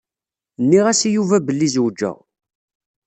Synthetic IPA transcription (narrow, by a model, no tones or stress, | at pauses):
nːiʁæsijuvæbəlːizwd͡ʒːə̰ʁ